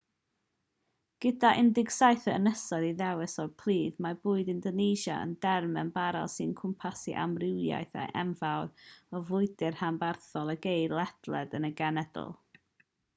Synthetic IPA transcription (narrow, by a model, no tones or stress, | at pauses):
ɡ̥ədaʔɪndɪɡsajθəənəsɔðiðɛwɪsɔrpʰl̥ˠiːðmabʊːɨdɪndɔnejʃa̰ə̰ndɛrmɛnbaɾa̰lˠsɨnkʰʊmpʰasḭʔa̰mrɪwja̰jθa̰ʔɛmvawɾɔvʊɨdɪrhambarθɔlˠəɡejdlˠɛd̥lˠɛ̰dənəɡanɛd̥ʊ̰lˠ